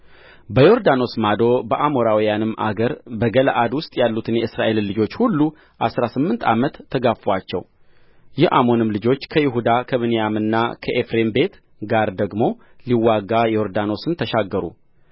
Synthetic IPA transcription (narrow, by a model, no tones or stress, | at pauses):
bəjo̞ɾd̪ano̞smad̪o̞bəʔamo̞ɾawijanɨmːʔa̰ɡəɾbəɡələʔad̪wʊst̪ʼjalːut̪ʰɨnjɛɨsɾaʔe̞lːɨd͡ʒo̞t͡ʃːhulːu | ʔasɾasɨmːɨnt̪ʰa̰mət̪ʰːəɡafwat͡ʃːɛ̰w | jɛʔamo̞nɨmlɨd͡ʒo̞t͡ʃːkʰəjɪɦud̪akʰəβɨnijamɨnːakʰəʔefɾe̞mbe̞t̪ | ɡaɾd̪əɡmo̞ | liwːaɡːajɛjo̞ɾd̪ano̞sɨnt̪ʰəʃaɡːəɾṵ